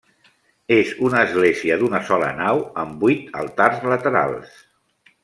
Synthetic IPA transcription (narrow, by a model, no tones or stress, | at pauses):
ezunəːzɣleziəd̪unəsɔlə̰nawəmbit̪ə̰lˠt̪arzlət̪əɾa̰lˠs